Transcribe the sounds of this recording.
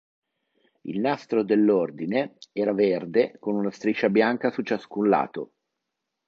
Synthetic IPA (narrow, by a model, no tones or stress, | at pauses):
ḭlnast̪ɾod̪elːord̪ineɛːɾaverd̪ekonunast̪ɾit͡ʃːabjaŋkasut͡ʃaskunla̰ːt̪o̰